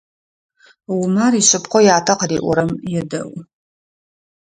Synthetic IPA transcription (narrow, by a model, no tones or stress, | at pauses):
wʊmaːriɕʼɨpqʷɔjaːtʰɐqərḭːʔʷɔ̰ɾɐmjɛdɐ̰wʷ